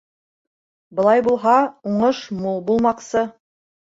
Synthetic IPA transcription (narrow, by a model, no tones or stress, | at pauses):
bɤ̆lˠɑjbulˠɦɑuɴɤʃmulˠbulˠmɑqsɤ